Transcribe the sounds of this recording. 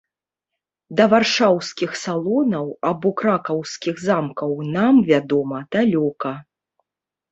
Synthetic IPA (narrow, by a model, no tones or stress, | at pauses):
d̪ɐvarʂawskʲixsalˠɔnɐwabɔkɾakɐwskʲiɣzamkɐwnamvʲad̪ɔmɐd̪̥alʲɔkɐ